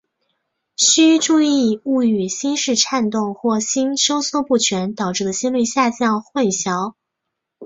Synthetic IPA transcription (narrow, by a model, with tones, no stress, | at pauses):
ɕy˥ʈ͡ʂu˥˧i˥˧u˥˩y˨˩ɕi˥nʂɻ̩˥˧ʈ͡ʂʰa˥˧nt̪ʊ˥˧ŋxwɔ˥˩ɕi˥nʂo˥ʊswɔ˥˧pu˥˩t͡ɕʰɥɛ˧˥nt̪ɑ˨˩ʊʈ͡ʂɻ̩˥˩d̪ə˨˩ɕi˥nli˥˩ɕja˥˧t͡ɕjɑ˥˧ŋxwə˥˩nɕjɑ˧˥ʊ